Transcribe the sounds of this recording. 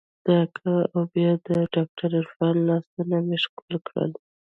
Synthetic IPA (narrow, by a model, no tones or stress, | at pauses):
d̪̥ɑkʰaawbjɑd̪əɖɑk̚ʈaɾaɾfɑnːɑst̪unameʃkulkɽə̰l